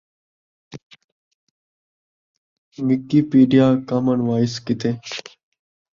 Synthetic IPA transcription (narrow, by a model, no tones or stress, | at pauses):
mɪkːiːpiːɖijaːkaːmənʋaːɪskɪt̪ʰeː